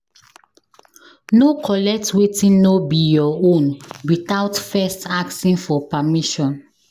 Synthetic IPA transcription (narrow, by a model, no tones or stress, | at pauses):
nokʰɔlɛk̚twetĩnːobijɔõnwitaʊtfɛstʰaksĩnfɔpamiʃɔ̃n